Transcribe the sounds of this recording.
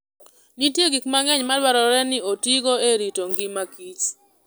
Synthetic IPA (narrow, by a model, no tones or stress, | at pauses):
nitjeɡikmaŋɛɲmalwaɾɔɾɛnɪotiɡoeɾitoŋɡɪmakit͡ʃ